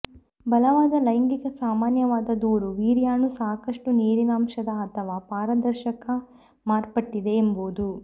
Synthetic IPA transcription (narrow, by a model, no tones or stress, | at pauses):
bɐlɐʋaːd̪ɐlɐjŋɡiɡɐsaːmaːnjɐʋaːd̪ɐd̪uːɾuʋiːɾjaːnusaːkɐʂʈuniːɾinaːmʃɐd̪ɐɐt̪ʰɐʋaːpaːɾɐd̪ɐɾʃɐkɐ | maːɾpɐʈːid̪e̞ːmboːd̪u